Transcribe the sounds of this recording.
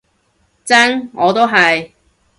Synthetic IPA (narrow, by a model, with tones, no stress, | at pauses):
t͡sɐ˥ŋŋɔː˨˧t̪o˥wɦɐ˨j